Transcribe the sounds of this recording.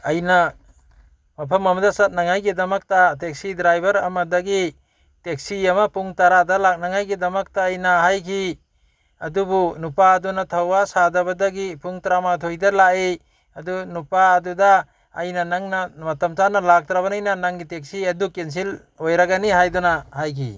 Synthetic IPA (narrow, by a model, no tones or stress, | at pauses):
ɐjnɐ | mɐpʰɐmɐmɐdɐsat̚naŋajɡidɐmɐk̚tatek̚sidɾajbʱɐɾɐ̰mɐdaɡi | tek̚siɐmapuŋtaɾadalak̚naŋajɡidɐmɐk̚taːjnaɦajkʰi | ɐdubunupaːdunatʰɐawasadɐbɐdaɡipuŋtɾamatʰojdɐlaʔe | ɐdunupaːdudaː | jnɐnaŋnɐmɐtɐmt͡ʃanɐlak̚tɾaβɐnajnɐnaŋɡitek̚siɐdukens̬il | ojɾaɡaniɦajdɔnahajkʰḭ